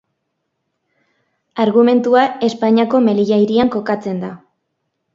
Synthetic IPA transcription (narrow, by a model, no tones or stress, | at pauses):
aɾɣume̞nt̪uae̞spaɲako̞me̞liʝajɾiaŋko̞kat͡se̞nd̪a